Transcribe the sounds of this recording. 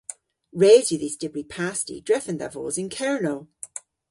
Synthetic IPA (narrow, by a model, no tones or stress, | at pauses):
ɹeːzjəðisd̥ɪbɹipʰastḭdɹɛθə̃nðə̰vɔ̰ːzɪ̃nkʰɛɹnoʊ